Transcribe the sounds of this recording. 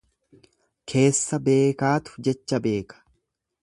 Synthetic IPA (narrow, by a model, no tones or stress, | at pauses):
kʰe̞ːsːɐbe̞ːkaːt̪ʊ̥d͡ʒɛt͡ʃːɐbe̞ːkɐ̥